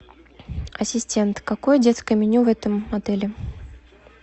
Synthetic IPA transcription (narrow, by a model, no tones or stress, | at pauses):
ɐsʲɪsʲtʲe̞nt̪kɐkojədʲet̪skəjəmʲɪnʲuvɛt̪əmːɐd̪ɛlʲɪ